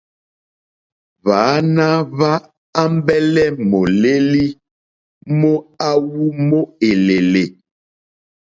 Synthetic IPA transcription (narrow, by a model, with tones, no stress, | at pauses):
vaː˨˦na˦va˦ | a˦m˦bɛ˦lɛ˦mo˨le˦li˦ | mo˦a˦wu˦mo˦e˨le˨le˨